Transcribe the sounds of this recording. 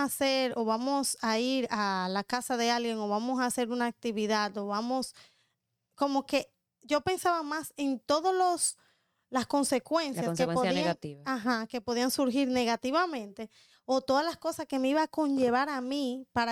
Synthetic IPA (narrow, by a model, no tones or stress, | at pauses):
aseɾo̞βamo̞saiɾalakasaðe̞alɡje̞ŋo̞βamo̞saːse̞ɾunaːk̚t̪iβiðad̪oβamo̞s | ko̞mo̞ke̞ | ʝo̞pe̞nsaβamase̞nt̪o̞ðolos | lasko̞nse̞kwe̞nsjjaepoat̪iaaɦake̞po̞ðiaŋsuɾɦiɾne̞ɣat̪iβamẽ̞nt̪e̞ | o̞t̪o̞ðazlasko̞saske̞me̞iβaːko̞ɲʝe̞β̞aɾamipaɾa